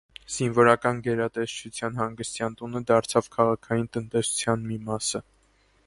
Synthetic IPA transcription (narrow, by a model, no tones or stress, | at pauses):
z̥invɔɾɑkɑnɡɛɾɑt̪ɛʃt͡ʃʰut͡sʰjɑnɦɑŋɡəst̪jɑnt̪unəd̪ɑɾt͡sʰɑvkʰɑʁɑkʰɑjint̪ənt̪ɛsu̥t͡sʰjɑnmimɑsə